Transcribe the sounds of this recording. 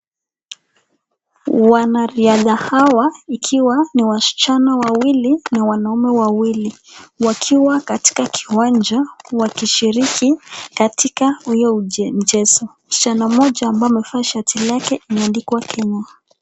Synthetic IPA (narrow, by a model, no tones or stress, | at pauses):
wanaɾiaðahawaikʰiwaniwaʃi̥t͡ʃanawawilinawanaumɛwawili | wakʰiwakati̥kakʰi̥wand͡ʒawakiʃiɾikikatikahujɔum̩d͡ʒɛsɔm̩ʃi̥t͡ʃanamɔʄaːmbaɔmɛfaʃatʰilakɛʔimɛandikwakʰɛɲa